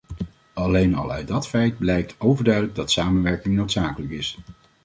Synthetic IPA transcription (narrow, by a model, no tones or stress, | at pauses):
ɑlejnɑ̰lˠœ̰ɥd̚ɑtfɛjd̚blɛjk̚tʰowvəɹdœɥdələɡ̚dɑtsaːmənʋɛɹkɪŋnowtsaːkələkɪs